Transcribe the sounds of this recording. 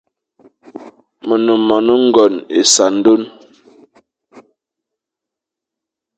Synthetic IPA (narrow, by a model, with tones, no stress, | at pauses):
mə˨nu˨mːa˨nə˦ŋ̩˦ɡɔ˨ne˨sa˨n̩˦do˦n